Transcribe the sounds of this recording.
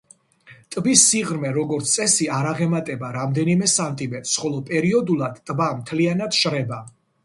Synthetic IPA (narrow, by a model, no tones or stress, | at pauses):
t̪ʼbisːiʁɾmɛɾɔɡɔɾt̪sʰt̪sʼɛsiaɾaʁɛmat̪ʼɛbaɾamd̪ɛnimɛsamt̪ʼimɛt̪ʼsχɔlˠɔpʼɛɾiɔd̪ulˠad̪t̪ʼbamt̪ʰlianad̪̥ʃɾɛba